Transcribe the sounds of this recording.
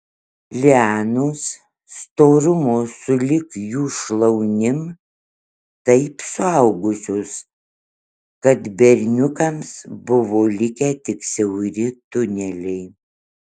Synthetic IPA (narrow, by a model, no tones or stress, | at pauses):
lʲɪɑːnoːs | st̪oːɾʊmoːsʊlʲɪkjuːʃlˠɐʊnʲɪm | t̪ɐɪpsʊɐʊɡʊsʲoːs | kɐt̪bʲɛɾʲnʲʊkɐmsbʊʋoːlʲɪkʲɛːt̪ʲɪksʲɛʊɾʲɪt̪ʊnʲɛlʲɛɪ